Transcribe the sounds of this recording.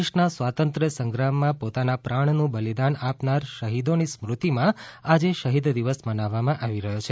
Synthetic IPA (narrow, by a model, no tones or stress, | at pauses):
ʃnasʋat̪ənt̪ɾəsəŋɡɾamːãpot̪anapɾaɳnũbəlid̪anapnaɾʃəɦid̪onismɾut̪imãad͡ʒeʃəɦid̪d̪iʋəsmənaʋːamãʔaʋiɾəɦjot͡ʃʰe